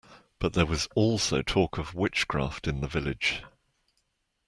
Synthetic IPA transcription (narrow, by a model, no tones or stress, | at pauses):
b̥ʌʔðəwɒzɔˑlˠsəʊtʰɔˑkʰəvwɪt͡ʃkʰɹ̥ɑ̰ˑftɪ̃nðəvɪlɪd̥ʒ̥